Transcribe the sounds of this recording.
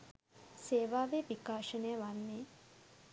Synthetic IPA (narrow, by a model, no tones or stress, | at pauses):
seːʋaːʋepikaːʃənəjəʋanːeː